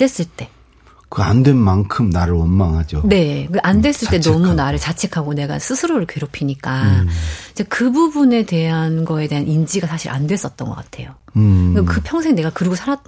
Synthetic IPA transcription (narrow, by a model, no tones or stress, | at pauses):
e̞s͈ɯɭt͈e̞ | kɯandwe̞nmaŋkʰɯmnaɾɯɭʌnmaŋɦad͡ʑone̞kɯʔandwe̞s͈ɯɭt͈e̞nʌmunaɾɯɭt͡ɕat͡ɕʰe̞kʰaɡone̞ɡa̰sʰɯsʰɯɾoɾɯɭkwe̞ɾopʰiɲik͈a | it͡ɕekɯbubune̞te̞ɦanɡʌe̞de̞ɦanʔind͡ʑiɡasʰaɕʰḭɾʔa̰ndwe̞s͈ʌt̚t͈ʌnɡʌk͈atʰe̞̰joɡekɯpʰjʌŋsʰe̞ŋne̞ɡakɯɾɯɡosʰaɾat